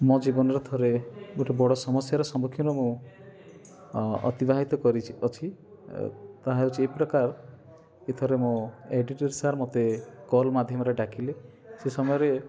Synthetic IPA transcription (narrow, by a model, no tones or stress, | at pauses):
mɔd͡ʒibɔnɔɾet̪ʰɔɾemuʈɔbɔɽɔsɔmɔsjaɾɔsɔmokʰjuɾɔmũ | ɔ̰t̪ibaɦit̪ɔkɔɾit͡ʃʰiɔt͡ʃʰi | t̪aɦaut͡ʃʰiepɾɔkaɾ | kit̪ʰɔɾemoeɖiʈɔɾsaɾmot̪ekɔlmad̪ʱjɔmɔɾeɖakʰile | sesɔmɔjɔɾe